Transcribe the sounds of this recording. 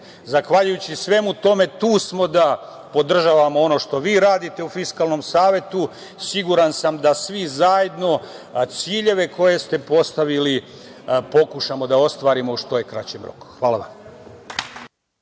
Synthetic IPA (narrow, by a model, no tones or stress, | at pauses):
zaxʋaʎujut͡ɕisʋe̞mut̪o̞me̞t̪uːsmo̞d̪a | po̞d̪r̩ʒaʋamoo̞no̞ʃt̪o̞ʋiːɾaːd̪it̪e̞ufiskaːlˠno̞msaːʋje̞t̪u | siɡuɾansamd̪asʋizajed̪no̞t̪siːʎe̞ʋe̞ko̞je̞st̪e̞po̞st̪aʋili | po̞kuʃamo̞d̪ao̞st̪ʋaːɾimoʃt̪o̞jekɾa̰t͡ɕe̞mɾo̞̰ku̥xʋaːlˠaʋa̰m